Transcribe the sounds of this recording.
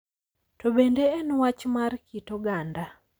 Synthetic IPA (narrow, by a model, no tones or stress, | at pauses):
tobendeɛnwat͡ʃmarkʰitoɡanda